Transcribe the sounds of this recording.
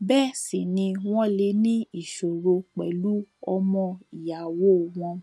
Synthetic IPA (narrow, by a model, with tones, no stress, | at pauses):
bɛ˦˨si˨nĩ˧w̃ɔ̃˦le˧˦nĩ˦i˦˨ʃo˨ɾo˧k͡pɛ˨lu˦ɔ˧mɔ̃˧i˨ja˨wo˦˨w̃ɔ̃˧